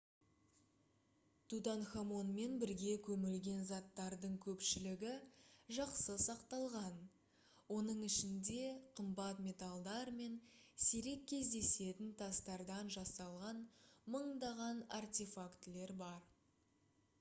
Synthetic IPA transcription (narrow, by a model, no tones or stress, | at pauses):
t̪ʰut̪anχamo̞nme̞nbɪɾɡʲe̞kʲʰɵmɪlɡʲe̞nzɑt̪ːɑɾd̪əɴkʲʰɵpʃɪlɪɡʲɪʒɑqsəsɑqt̪ɑlˠʁɑn | wo̞nəɴɪʃɪnd̪e̞qʰəmbɑt̪mʲe̞t̪alˠd̪ɑɾme̞nseɾe̞k̚ʲʰːe̞zd̪e̞se̞t̪ɪnt̪ʰɑst̪ɑɾd̪ɑnʒɑsɑlˠʁɑnməɴd̪ɑʁɑnart̪ʲefakt̪le̞ɾbɑɾ